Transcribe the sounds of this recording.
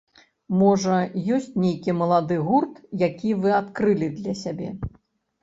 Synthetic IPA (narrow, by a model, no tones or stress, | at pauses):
mɔʐɐjɔsʲt͡sʲnʲejkʲimɐlˠad̪ɨɣurt̪jakʲivɨat̪kɾɨlʲid̪lʲɐsʲabʲɛ̰